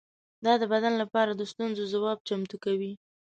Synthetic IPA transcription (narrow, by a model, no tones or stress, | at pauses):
d̪ɑd̪əbad̪anlapɑɾad̪əst̪unzozawɑb̚t͡ʃamt̪ukawi